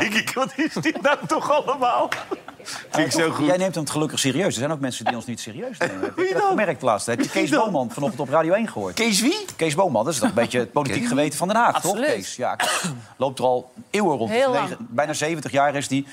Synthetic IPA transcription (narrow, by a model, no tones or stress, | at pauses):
ɪkkʋɑtɪsdidatɔχɑləmaːlˠ | ɪsojɛjnejmtəmətχəlɵkəχsɪːɾiøɥsdəzɛjnowk̚mɛnsədiɔnsnyitsɪːriøɥsdɛimɛrək̚təla̰ːtstəɦɛpjəkejsbowmɑnfɑnɔtəntɔpraːdiowejnχəʊ̰ːɹtkesʋikejzbowmɑndɑtɪstɔtəmbejt͡ʃət̚powlitikχəʋejtəvɑndənɦaːχtɔχkejsja̰lowp̚tərɑlˠewərɔnebɛjnaːzejvəntəχjaːrɪsdi